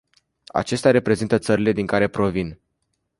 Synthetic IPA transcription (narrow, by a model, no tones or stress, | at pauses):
a̰t͡ʃe̞st̪ʲaɾe̞pɾe̞zint̪ət̪səɾile̞d̪iŋkaɾe̞pɾo̞vin